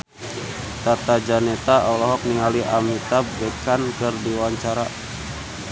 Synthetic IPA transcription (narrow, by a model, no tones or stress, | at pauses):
t̪at̪ad͡ʒanɛt̪aʔɔlɔɦɔk̚niŋaliʔamit̪abɛkankɨrdiwaɲt͡ʃaɾa